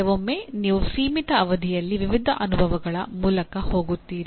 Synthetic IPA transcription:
ɛʋomːeːniːʋusiːmit̪ɐːʋɐd̪ʱijɐlːiʋiʋid̪ʱɐʔɐnubʱɐʋɐɡɐɭɐmuːlɐkɐho̞ːɡut̪ːiːɾi

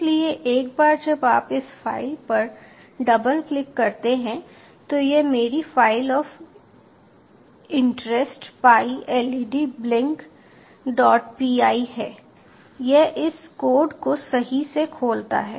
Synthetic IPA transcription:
lieʔeːk̚baːɾd͡ʒɐbaːpɪsfaːɪlpɐɾ | ɖɐbəlklɪkːɐɾt̪eɦɛ̃ | t̪ojemeːɾifaːɪlɔːf | ɪ̃ɳʈɾɛsʈpaːiʔɛːlɪɖiblɪ̃ŋk | ɖɔːʈpiːaːiɦɛː | jeʔɪskoːɾɖkosɐɦisekʰoːlt̪a̰ɦɛː

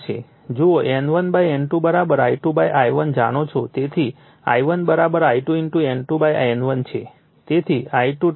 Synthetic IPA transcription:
t͡ʃʰḛ | d͡ʒooʔenʋənbajɛnʈubəɾabəɾaiʈubajʔajʋənd͡ʒaɽ̃ot͡ʃʰot̪et̪ʰi | a̰jʋənbəɾabəɾaiʈuinʈuenʈubaja̰jnʋənt͡ʃʰḛ | t̪et̪ʰiaiʈu

